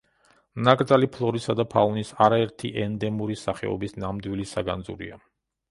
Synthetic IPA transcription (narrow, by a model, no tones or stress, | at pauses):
mnakʼɾd̪zalipʰlˠɔɾisad̪apʰaunisaɾaɛɾt̪ʰiʔɛnd̪ɛmuɾisaχɛ̰ɔ̰bisnamd̪wilisaɡa̰nd̪zṵɾḭa